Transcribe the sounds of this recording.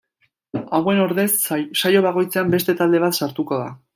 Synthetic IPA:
awe̞no̞ɾðe̞sːajo̞β̞aɣo̞jt͡seambe̞st̪e̞t̪ald̪e̞β̞at̪saɾt̪uko̞ða̰

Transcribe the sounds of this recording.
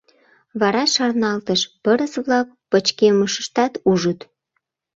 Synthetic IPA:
βɑɾɑʃɑrnɑlt̪əʃpəɾəsβlɑk̚pət͡ɕkeməʃə̥ʃt̪ɑt̪uʒət̪

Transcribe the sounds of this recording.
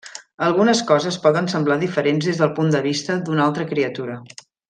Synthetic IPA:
əlˠɣunəskɔzəspɔðənsəmblaðifəɾenzðezðəlˠpund̪əβ̞ist̪əd̪unalˠt̪ɾəkɾiət̪uɾə

